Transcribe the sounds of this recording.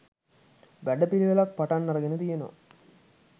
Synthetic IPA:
bæɖəpiliʋelɐk̚paʈɐnːɐɾɐɡenət̪ijeno̰

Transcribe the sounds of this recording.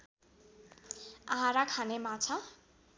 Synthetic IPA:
aɦãɾakʰanemat͡sʰʌ

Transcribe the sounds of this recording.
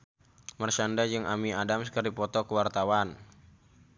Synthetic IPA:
mərt͡ʃandad͡ʒɨŋʔamiadamsə̥kərdipɔt̪ɔkəwart̪awan

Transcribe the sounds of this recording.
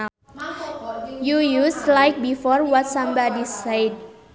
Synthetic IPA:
jujuslajk̚bifɔrwɔtsãmbadisejd̚

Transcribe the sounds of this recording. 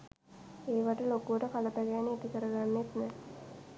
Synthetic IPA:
eːʋaʈəlokuʋəʈəkalət̪aɡɛːniit̪ikəɾəɡanːet̪nɛ

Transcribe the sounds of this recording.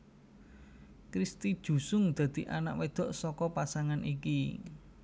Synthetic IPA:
kɾist̪id̥ʒ̥ṳsʊŋd̪̥ä̤d̪̥i̤ʔana̰ʔwed̪̥ɔ̤ʔsɔkɔpasaŋanʔiki

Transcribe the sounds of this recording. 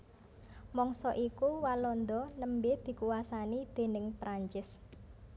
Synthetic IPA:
mɔŋsɔʔikuwalɔnd̪ɔnəmbed̪̥i̤kuwasanid̪̥e̤nɪŋpɾaɲt͡ʃɪs

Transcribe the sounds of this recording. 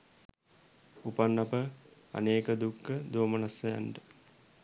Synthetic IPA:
upanːapə | a̰neːkəd̪ukːəd̪oːmənasːəja̰ɳɖə

